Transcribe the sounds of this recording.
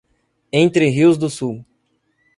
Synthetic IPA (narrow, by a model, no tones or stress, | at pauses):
ẽnt̪ɾɪɦiwzd̪ʊsuw